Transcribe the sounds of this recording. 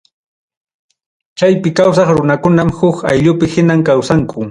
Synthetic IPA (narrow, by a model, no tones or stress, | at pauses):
t͡ʃajpɪkaws̬ɑχɾʊnakʊnamhʊkajʎʊpɪhɪnamkawsaŋkʰʊ